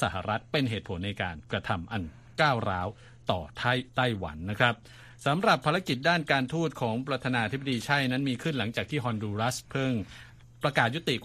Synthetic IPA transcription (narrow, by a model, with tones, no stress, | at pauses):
sa˧˩ha̰˨˩ɾa˦˥t̪̚pe˧nɦeː˨˩t̪̚pʰo˩˦nːa˧jkaː˧nkɾa˧t̪ʰa˧mʔa˧n | kaː˥˩wɾaː˦˥w | t̪ɔː˨˩t̪ʰa˥˩jt̪a˥˩jwa̰˩˦nːa˦˥kʰɾa˦˥p̚ | sa˩˦mɾa˨˩pʰːaː˧ɾa˦˥ki˨˩t̪̚daː˥˩nkaː˧nt̪ʰuː˥˩t̪̚kʰɔː˩˦ŋpɾa˧t̪ʰaː˧naː˧t̪ʰi˦˥b̚a˨diː˧t͡ɕʰa˥˩jna˦˥nmiː˧kʰɯ˥˩nla˩˦ŋt͡ɕaː˨˩k̚t̪ʰiː˥˩ɦɔː˧nduː˧ɾa˦˥spʰɯ˥˩ŋ | pɾa˧kaː˨˩t̪̚ju˦˥t̪i˨˩k